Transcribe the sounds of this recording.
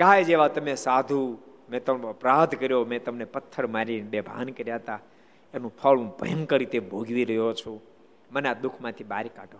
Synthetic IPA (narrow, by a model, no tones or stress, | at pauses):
kajd͡ʒeʋat̪əmesad̪ʱũmẽt̪əpɾad̪kəɾjomɛ̃t̪əmnepət̪ʰːəɾmaɾiʋebʱa̰nkəɾjaɦət̪a | enũpʰəɭũbʱə̰jəmkəɾit̪ebʱoɡʋiɾəjot͡ʃʰũ | mənad̪ʊkʰmãt̪ʰibaɾikaʈo